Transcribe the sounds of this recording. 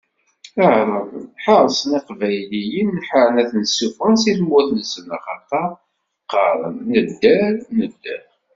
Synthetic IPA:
əʕɾˤəvnħəɾˤsˤəniqvæjlijənːħaɾənæθnsːufənsiθmːuθnəsənæχɑt̪ɑ | qːɑɾˤə̰nːəd̪ːæɾnəd̪ːæ̰ɾ

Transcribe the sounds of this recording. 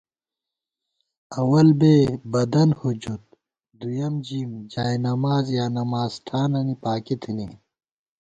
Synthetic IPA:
ɐwɐlbeːbɐd̪ɐnhud͡ʑut̪̚ | d̪ujɐmd͡ʑimd͡ʑaːjnɐmaːzjaːnɐmaːzʈʰaːnɐnipaːkit̪ʰini

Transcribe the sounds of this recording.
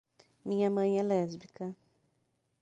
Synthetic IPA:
mĩɲɐmɐ̃j̃ɛlɛzbikɐ

